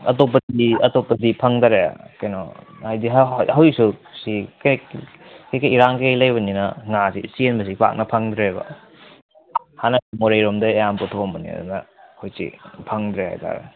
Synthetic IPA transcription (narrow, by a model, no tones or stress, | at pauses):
ɐ̰top̬ːɐdiɐtopːɐdipʰɐŋdaɾḛkajnɔ̰hajdiɦhawjsusik | kejkɐjiɾaŋkejlɐjbɐninɐŋasḭsienbɐs̬ipa̰k̚nɐpʰɐŋdɾebɐ̰ | hanɐsimoɾejɾomdɐejamputʰombɐnḭɐ̰dṵnɐhojsḭpʰɐŋdɾeha̰jtʰa̰ɾḛ